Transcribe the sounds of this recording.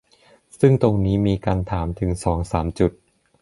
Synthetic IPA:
sɯ˥˩ŋt̪o˧ŋniː˦˥miː˧kaː˧nt̪ʰaː˩˦mt̪ʰɯ˩˦ŋsɔː˩˦ŋsaː˩˦mt͡ɕu˨˩t̪̚

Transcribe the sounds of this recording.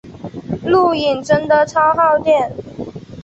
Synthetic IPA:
lu˥˩i˨˩nʈ͡ʂə˥nd̪ə˨t͡sʰɑ˥ʊxɑ˥˧ʊt̪jɛ˥˩n

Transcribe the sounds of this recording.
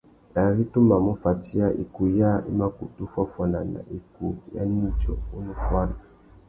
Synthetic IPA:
na˨ɾi˦tu˦ma˨mu˦fa˨ti˦a˦ʔḭ˨ku˨ja˦ḭ˦ma˦ku˨tu˦fa˦fwa˨na˨na̰˨ʔi˨ku˨ja̰˦ɲi˦t͡ʃɔ˨u˦nu˦fwa˦na˨

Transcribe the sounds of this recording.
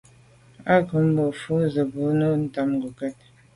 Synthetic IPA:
a˦kə˨˦m̩˦bɔ˨fu˨˦zə˨bu˨˦nə˦n̩˦ta˨˦m˨ɡu˨kɛ˦t̚

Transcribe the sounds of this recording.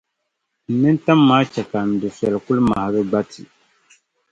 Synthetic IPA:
n̩˨nɨ˦n˦ta˦mːaː˦t͡ʃɛ˨ka˨n̩˨du˨sɛ˨lku˦lma̰˨ha˨ɡɨ˦ɡ͡ba˦tʰi˨

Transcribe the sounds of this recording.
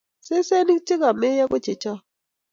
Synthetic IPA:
se˦se˦ni˦kt͡ʃɪ˦ɡa˨me˦ja˦ko˦t͡ʃe˨t͡ʃɔ˦

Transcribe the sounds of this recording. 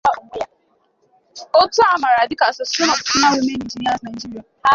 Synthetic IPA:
o˦tu˦a˨ma˨ɾa˨dɪ˦ka˨sɔ˨sɔ˦nɔ˨kʊ˦na˦ɾʊ˦me˦ni˨d͡ʒi˨n˦a˦sna˨i˨d͡ʒi˦ɾi˦a˨

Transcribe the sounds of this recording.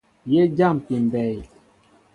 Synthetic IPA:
je˦d͡ʒa˦˨mki˨m˨bɛ˨j

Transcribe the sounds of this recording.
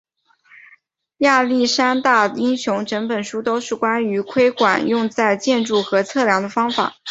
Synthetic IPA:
ja˥˧li˥˩ʂa˥nt̪a˥˩i˥ŋɕjʊ˧˥ŋʈ͡ʂə˧˥ŋpə˨˩nʂu˥t̪o˥ʊʂɻ̩˥˩kwa˥ny˧˥kʰwe˥ɪkwa̰˨˩njʊ˥˧ŋt͡sa˥˧ɪt͡ɕjɛ˥˧nʈ͡ʂu˥˩xɤ˧˥t͡sʰɤ˥˩ljɑ˧˥ŋd̪ə˧fɑ˥ŋfa̰˨˩˦

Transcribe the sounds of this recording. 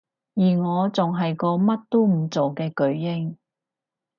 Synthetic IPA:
jiː˨˩ŋɔː˨˧t͡sʊ˨ŋɦɐ˨jkɔː˧mɐ˥t̚t̪o˥m̩˨˩t͡so˨wkɛː˧kɵ˨˥ɥjɪ˥ŋ

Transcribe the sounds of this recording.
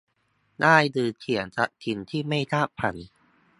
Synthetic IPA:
daː˥˩jdɯː˧t͡ɕʰi˩˦ənsa˦˥ʔt̪ʰi˧nt̪ʰiː˥˩ma˥˩jt̪ʰaː˥˩pʰa̰˨˩˦n

